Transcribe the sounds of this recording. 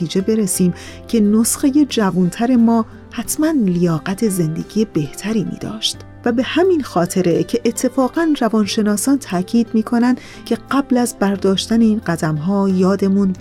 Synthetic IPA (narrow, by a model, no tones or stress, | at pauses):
iːd͡ʒe̞be̞ɾesiːm | cʰe̞nosxeje̞d͡ʒævunt̪ʰæɾe̞mɒː | hæt̪ʰmænlijɒːɣæt̪ʰe̞ze̞nd̪e̞̰ɡ̥iːje̞be̞ht̪ʰæɾiːmḭːd̪ɒ̰ːʃt̪ | væbe̞hæminxɒːt̪ʰe̞ɾecʰe̞ʔːt̪ʰːe̞fɒːɣænrævɒːnʃe̞nɒːsɒːnt̪ʰæʔcʰiːd̪miːkʰo̞nænd̪ | cʰe̞ɢæblæzbæɾd̪ɒːʃt̪æne̞iːnɢæd̪æmɦɒːjɒːd̪e̞mun